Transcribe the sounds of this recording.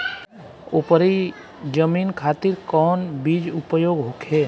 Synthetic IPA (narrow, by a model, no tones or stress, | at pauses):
opəɾi | d͡ʒəminkʰat̪iɾkɔːnbid͡ʒupəjoːɡɦokʰe